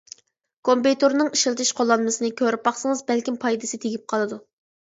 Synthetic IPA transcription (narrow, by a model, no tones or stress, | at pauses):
kʰompejt̪ʰoɾnɨŋiʃɪlˠt̪ʰɪʃqʰolˠːɑnmɨsɨnɨkʲʰøɾpbɑχsɨŋɨzbælkʲimpʰɑjd̪ɨsɨt̪ʰeɡʲip̚qʰɑlˠɨd̪u